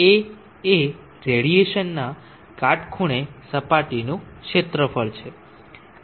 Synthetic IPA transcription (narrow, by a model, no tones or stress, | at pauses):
e | e | ɾeɽieʃənːa | kaʈkʰuɽ̃esəpaʈinũkʃet̪ɾəfəɭt͡ʃʰe